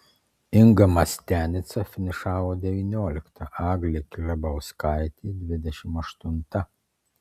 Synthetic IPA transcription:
ɪŋɡɐmɐsʲt̪ʲæːnʲɪt̪sɐfʲɪnʲɪʃɑːʋoːd̪ʲɛʋʲiːnʲoːlʲɪkt̪ʰɐʔɑːɡlʲekʲlʲɐbɐʊskɑɪt̪ʲiːd̪ʲʋʲɪd̪ʲɛʃʲɪmɐʃt̪ʊnt̪ɐ

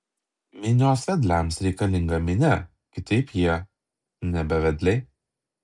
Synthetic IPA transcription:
mʲɪnʲoːsʋʲɛd̪ʲlʲæmsɾʲɛɪkɐlʲɪŋɡɐmʲɪnʲɛ | kʲɪt̪ɐɪpjiɛ | nʲɛbʲɛʋʲɛd̪ʲlʲɛɪ

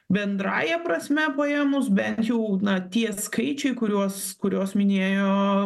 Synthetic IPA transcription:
bʲɛnd̪ɾɑːjɛpɾɐsʲmʲɛpɐjeːmʊs̬bʲɛnt̪jɛʊnɐt̪ʲiɛskɐɪt͡ʃʲɛɪkʊɾʲuɔskʊɾʲoːsmʲɪnʲeːjoː

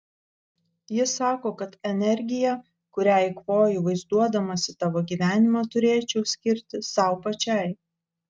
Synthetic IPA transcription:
jɪsɑːkoːkɐt̪ɛnʲɛɾʲɡʲɪjɛ | kʊɾʲæjkʋoːjʊʋɐɪzd̪uɔd̪ɐmɐsʲɪt̪ɑːʋoːɡʲiːʋʲæːnʲɪmɑt̪ʊɾʲeːt͡ʃʲɛʊsʲkʲɪɾʲt̪ʲɪsɑˑʊpɐt͡ʃʲɛˑɪ

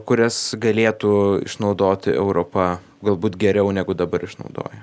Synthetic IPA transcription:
kʊɾʲɛsɡɐlʲeːt̪uːɪ̰ʃnɐʊd̪oːt̪ʲɪɛ̰ʊɾoːpɐ | ɡɐlˠbuːt̪ɡʲɛɾʲɛʊnʲæːɡʊd̪ɐbɐɾɪʃnɐ̰ʊd̪o̰ːjɛ

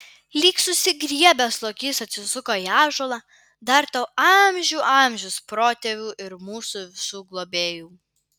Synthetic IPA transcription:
lʲiːksʊsʲɪɡɾʲiɛbʲɛslˠoːkʲiːsɐt̪ʲsʲɪsʊkoːiɑːʒoːlˠɑː | d̪ɐɾt̪ɐʊɑmʲʒʲuːʔɑmʲʒʲʊspɾoːt̪ʲeʋʲuːʔɪɾmuːsuʋʲɪsuːɡlˠoːbʲeːjuː

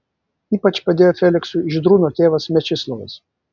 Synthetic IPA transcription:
iːpɐt͡ʃpɐd̪ʲeːjoːfʲɛlʲɪksʊɪʒʲɪd̪ɾuːnoːt̪ʲeːʋɐsmʲɛt͡ʃʲɪslˠɔʋɐ̰s

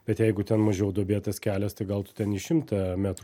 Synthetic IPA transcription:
b̥ʲɛt̪jɛɪɡʊt̪ʲɛnmɐʒʲɛʊd̪oːbʲeːt̪ɐskʲæːlʲɛst̪ɐɪɡɐlˠt̪ʊ̥t̪ʲɛniːʃʲɪmt̪ɐmʲæt̪ɾ

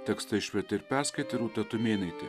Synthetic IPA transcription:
t̪ʲɛkst̪ɐɪʃʲʋʲɛt̪ʲɐɪɾpʲæɾskɐɪt̪ʲɐɪɾuːt̪ʲɛt̪ʊmʲeːnʲɐɪt̪ʲɪ

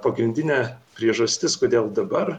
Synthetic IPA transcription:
pɐɡɾʲɪnʲd̪ʲɪnʲɛpʲɾʲiɛʒɐsʲt̪ʲɪskoːd̪ʲeːlˠd̪ɐbɐɾ

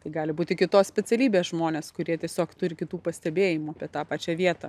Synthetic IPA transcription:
t̪ɐɪɡɑːlʲɪbuːt̪ʲɪkʲɪt̪oːsʲpʲɛt͡s̪ʲɛlʲiːbʲeːsʒmoːnʲeːskʊɾʲiɛt̪ʲiɛsʲoːkt̪ʊɾʲɪkʲɪt̪uːpɐsʲt̪ʲɛbʲeːjɪmʊɐpʲiɛt̪ɑːpɑːt͡ʃʲæːʋʲiɛt̪ɐ

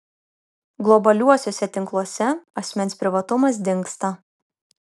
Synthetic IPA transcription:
ɡlˠɔbɐlʲuɔsʲoːsʲɛt̪ʲɪŋklˠuɔsʲɛɐsʲmʲɛnʲspʲɾʲɪʋɐt̪ʊmɐs̬d̪ʲɪŋˑkst̪ɐ

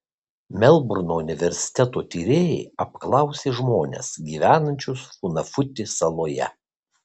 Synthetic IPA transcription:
mʲɛlˠbʊɾnoːʊnʲɪʋʲɛɾʲsʲɪ̥t̪ʲɛt̪oːt̪ʲiːɾʲeːjɛɪɐp̚klˠɐˑʊsʲeːʒmoːnʲḛsɡʲiːʋʲæːnɐnʲt͡ʃʲʊsfʊnɐfʊt̪ʲɪsɐlˠoːjɛ̰

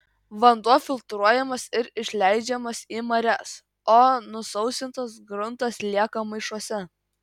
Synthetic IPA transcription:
ʋɐnd̪uɔfʲɪlˠt̪ɾuɔjɛmɐsɪɾɪʃʲlʲæɪd͡ʒʲɛmɐsiːmɐɾʲɛs | oːnʊsɐʊsʲɪnt̪ɐs̬ɡɾʊnt̪ɐslʲiɛkɐmɐɪʃuɔsʲɛ

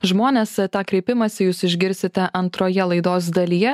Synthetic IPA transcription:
ʒmoːnʲeːst̪ɑːkɾʲɛɪpʲɪmɐsʲɪjuːsɪʒʲɡʲɪɾʲsʲɪt̪ʲɛʔɐnt̪ɾoːjɛlˠɐɪd̪oːs̬d̪ɐlʲijɛ

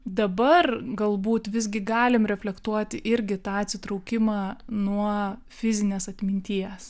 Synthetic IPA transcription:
d̪ɐbɐrɡɐlˠbuːt̪ʋʲɪzʲɡʲɪɡɑːlʲɪmɾʲɛfʲlʲɛkt̪uɔt̪ʲɪʔɪɾʲɡʲɪt̪ɑːɐt̪ʲsʲɪt̪ɾɐʊkʲɪmɑːnuɔ | fʲɪzʲɪnʲeːsɐt̪ʲmʲɪnʲt̪ʲiɛs

